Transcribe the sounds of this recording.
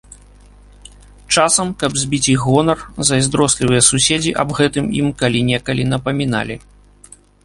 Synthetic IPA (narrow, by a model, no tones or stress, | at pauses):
t͡ʂasɐmkɐbzʲbʲit͡sʲiɣɣɔnɐrzɐzʲd̪ɾɔsʲlʲivɨjɛsusʲed͡zʲiʔɐ̰bɣɛt̪ɨmḭmkalʲinʲɛkɐlʲinɐpɐmʲin̪a̰lʲḭ